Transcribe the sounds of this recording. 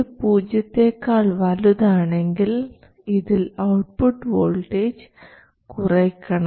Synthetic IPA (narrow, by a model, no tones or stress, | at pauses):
puːd͡ʑjɐt̪ːe̞ːkːaːɭʋɐluðaːɳe̞ŋɡil | iðilɐwʈ̚puʈːʋoːɭʈeːd͡ʑ | kurɐkʲːɐɳɐ